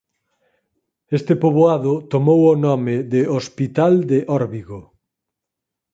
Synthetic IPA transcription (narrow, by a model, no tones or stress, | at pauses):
est̪ɪpoβoaðʊt̪omowonɔmɪðeospit̪ald̪eʔɔɾβiɣo